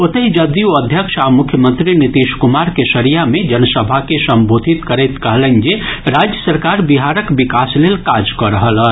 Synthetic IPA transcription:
ot̪əɦid͡ʒəd̪ioəd̪ʱjəkʃamʊkʰjəmə̃nt̪ɾinit̪iːʃkumaɾkesəɾijamẽd͡ʒənəsəbʱakesəmbʱod̪ʱit̪kəɾɛjt̪kəɦlənd͡ʒeɾad͡ʒjəsəɾkaɾbiɦaɾəkbikaslelkad͡ʒkɔɾəɦələn

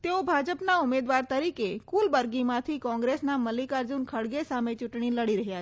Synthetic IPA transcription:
t̪eobʱad͡ʒəpnaʊmed̪ʋaɾt̪əɾikekulbəɾɡimãt̪ʰikɔ̃ŋɡɾesnaməlikaɾd͡ʒunkʰəɽɡesamet͡ʃʊʈɳ̃iləɽiɾəɦja

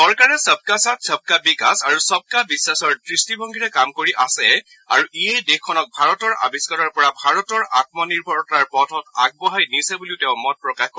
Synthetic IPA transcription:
sɔɹkaɹɛsəb̚kasatsəb̚kabikasaɹusɔb̚kabisːasɔɹdɹistibʱɔŋɡʱiɹɛkamkoɹiʔasɛ | aɹuʔiɛjdexkʰːɔnɔk̚bʱaɹɔtɔɹa̰biskɔɾɔɹpɔɹabʱaɹɔtɔɹa̰t̚mɔniɹbʱɔɹɔtaɹpɔtʰɔtaɡ̚bɔɦajnisɛbuliʊteʊ̃mɔt̚pɹɔkaxkɔ

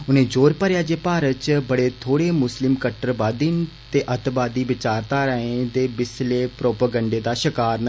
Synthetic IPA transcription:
ʊnẽːd͡ʒoːɾpəɾjaːd͡ʒeːpaːɾət͡ʃbəɽet̪ʰoːɽeːmʊslɪmkəʈɾəbaːd̪in | t̪eːʔət̪baːd̪iːʋɪt͡ʃaːɾt̪aːɾəẽd̪eːbɪsleːpɾoːpəɡə̃ɳɖeːd̪aːʃɪkaːɾn

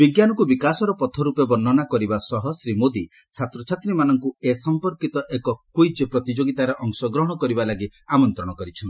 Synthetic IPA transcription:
biɡjanɔkubikasɔɾɔpɔt̪ʰɔɾupebɔnːɔnakɔɾibasɔɦɔsɾimod̪i | t͡ʃʰat̪ɾɔt͡ʃʰat̪ɾimanɔŋkuesɔmpɔɾkit̪ɔʔekɔkujd͡ʒepɾɔt̪id͡ʒoɡit̪aɾeʔɔŋsɔɡɾɔɦɔɽ̃ɔkɔɾibalaɡiamɔnt̪ɾɔɽ̃ɔkɔɾit͡ʃʰɔn

